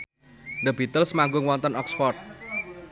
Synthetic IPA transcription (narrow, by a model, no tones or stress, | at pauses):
d̪əb̥it̪əlsmaŋɡʊŋwɔnt̪ənɔksfɔrt̪̚